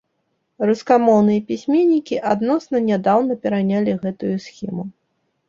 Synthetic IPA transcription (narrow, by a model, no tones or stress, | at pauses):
ruskamɔwnɨjɐpʲisʲmʲenʲːikʲiʔad̪nɔsnɐnʲad̪awnɐpʲɛɾanʲalʲiɣɛt̪ujusʲxʲimu